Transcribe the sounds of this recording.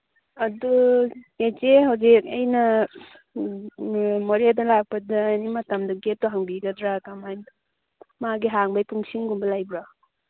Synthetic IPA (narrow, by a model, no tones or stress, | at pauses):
ɐduet͡ʃeɦawzik̚ɐjna | mɔɾedalak̚pɐdaːnimatamdɐɡet̚ːɔɦaŋbiɡadɾakamajn | maɡiɦaŋbajpuŋsiŋɡumbɐlajbɾa